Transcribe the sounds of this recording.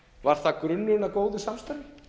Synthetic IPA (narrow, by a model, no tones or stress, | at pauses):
vaɾ̥θakɾʏnːɪɪnːakoːwðʏsamst̪aɾɪ